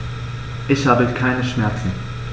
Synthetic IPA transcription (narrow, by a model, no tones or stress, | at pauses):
ʔɪsabɪtkʰaɪnəʃmɛɐt͡sn̩